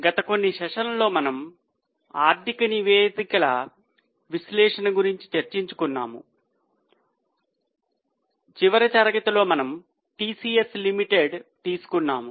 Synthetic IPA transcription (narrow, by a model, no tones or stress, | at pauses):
ɡɐt̪ɐko̞nːiʃɐʂɐnɐlo̞ːmɐnɐm | a̰ːɾt̪ikɐniʋeːd̪ikɐlɐ̰ | ʋislɛːʂɐnɐɡuɾiɲt͡ʃi̥t͡ʃɐɾt͡ʃiɲt͡ʃu̥kunːa̰ːmṵ | t͡ʃiʋɐɾɐt͡ʃaːɾɐɡɐt̪ɐlo̞ːmɐnɐm | ʈiːsiːeslimiʈeɖt̪iːsu̥kunːaːmu